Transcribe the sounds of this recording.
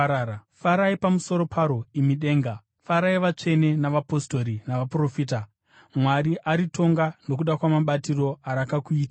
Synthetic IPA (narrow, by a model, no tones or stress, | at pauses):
faɾaipamuso̞ɾo̞pʰaɾo̞imiɗe̞ːŋɡa | faɾaiʋat͡ʂe̞ne̞naʋapo̞sto̞ɾinaʋapuro̞fiːta | mwaɾiʔaɾito̞ŋɡanok̬uɗakwamaɓatiro̞aɾakakuiːta